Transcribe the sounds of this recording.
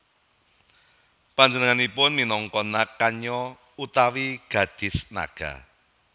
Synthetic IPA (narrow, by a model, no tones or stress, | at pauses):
paɲd͡ʒənəŋanipʊnminɔŋkɔnakaɲɔ | ut̪awiɡ̥ä̤d̪̥ɪ̤sna̰ɡ̥a̰